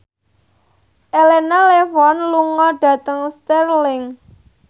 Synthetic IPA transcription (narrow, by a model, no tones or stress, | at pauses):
ʔelenalefɔnluŋɔɖ̥a̤t̪əŋst̪ɛrlɪŋ